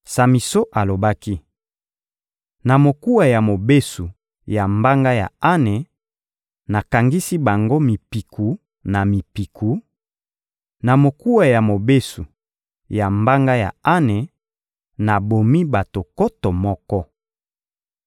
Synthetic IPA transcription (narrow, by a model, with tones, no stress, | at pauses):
sa˨mi˨so˦ʔa˨lo˨ba˦ki˦ | na˨mo˨ku˦a˨ja˨mo˨be˦su˨ | ja˨mba˦ŋɡa˦ja̰˨a˦ne˨ | na˨ka˨ŋɡi˦si˦ba˨ŋɡo˦mi˨pi˨kʰu˨ | na˨mi˨pi˨kʰu˨ | na˨mo˨ku˦a˨ja˨mo˨be˦su˨ | ja˨mba˦ŋɡa˦ja̰˨a˦ne˨ | na˨bo˨mi˦ba˨to˨ko˦tɔ˨mɔ˦kɔ˦